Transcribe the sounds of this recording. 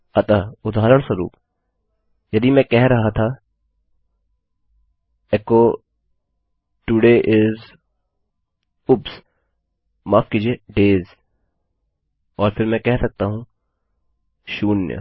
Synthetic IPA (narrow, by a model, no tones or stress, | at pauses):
ɐt̪aːʊd̪ʱaːɾəɳ̃sɐɾṵːp | jɐd̪imɛ̃kɛɦɾɐɦat̪ʰa | ɛkoː | ʈʊɖeːʔɪz | ʊps | maːfkiːd͡ʒieːɖeːz | ɔːɾfʰɪɾmɛ̃kɛɦsɐk̚t̪aɦũ | ʃuːnjə̰